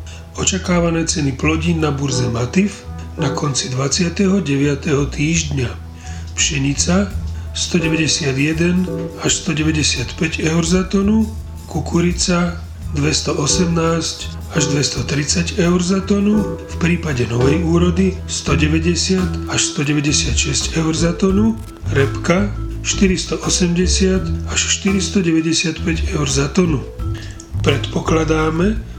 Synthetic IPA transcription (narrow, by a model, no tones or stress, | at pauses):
ɔt͡ʃakaːʋanɛːt͡sɛniplɔɟiːnːabuɾzɛmat̪if | nakʰɔnt͡sid̪ʋat͡sɪat̪ɛɦɔɟɛʋɪat̪ɛɦɔt̪iːʒd̪ɲa | pʃɛɲit͡sast̪ɔɟɛʋɛɟɛsɪad̪jɛd̪ɛnaʃst̪ɔɟɛʋɛɟɛsɪat̪pɛɟɛʊɾzat̪ɔnu | kukuɾit͡sa | d̪ʋɛst̪ɔʔɔsɛmnaːsc | aʒd̪ʋɛst̪ɔt̪ɾit͡saɟɛʊɾzat̪ɔnufpɾiːpaɟɛnɔʋɛjuːɾɔd̪i | st̪ɔɟɛʋɛɟɛsɪat̪aʃst̪ɔɟɛʋɛɟɛsɪat̪ʃɛscɛʊɾzat̪ɔnu | ɾɛpkaʃt̪iɾist̪ɔʔɔsɛmɟɛsɪat̪aʃʃt̪iɾist̪ɔɟɛʋɛɟɛsɪat̪pɛɟɛʊɾzat̪ɔnu | pɾɛt̪pɔklad̪aːmɛ